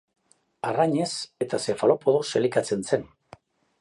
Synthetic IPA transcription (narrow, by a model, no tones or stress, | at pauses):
araɲe̞se̞t̪ase̞falopoðoselikat͡se̞nsen